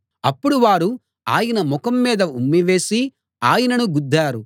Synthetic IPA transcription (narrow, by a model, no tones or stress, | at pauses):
ɐpːuɽuʋaːɾu | aːjɐnɐmɔkɐmːiːd̪ɐumːiʋe̞ːsi | aːjɐnɐnuɡud̪ʱːaːɾu